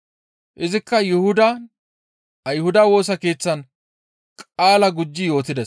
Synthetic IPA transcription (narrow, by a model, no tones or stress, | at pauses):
ʔɪzɪkːɐjɪhʊd̪ɐ | ʔɐjhʊd̪ɐwo̞ːs̬ɐke̞ːt͡sːɐn | kʼaːlɐɡʊd͡ʒːɪjo̞ːt̪ɪd̪ɛ